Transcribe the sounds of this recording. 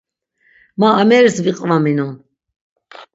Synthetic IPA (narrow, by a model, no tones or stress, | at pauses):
maːmɛɾsviqʼvaminɔn